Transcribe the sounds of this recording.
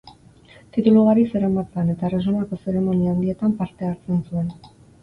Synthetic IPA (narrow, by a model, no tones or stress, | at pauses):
t̪it̪uluɣaɾise̞ɾamat͡seane̞t̪aresonako̞se̞ɾe̞mo̞niand̪ie̞t̪ampaɾt̪e̞aɾt͡se̞nsue̞n